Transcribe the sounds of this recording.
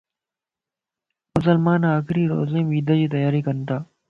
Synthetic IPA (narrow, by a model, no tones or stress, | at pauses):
mʊs̬əlmaːnaːkɪɾiːɾo̰ːziːmʋiːd̪əd͡ʑiːt̪̬əjaːɾiːkənt̪aː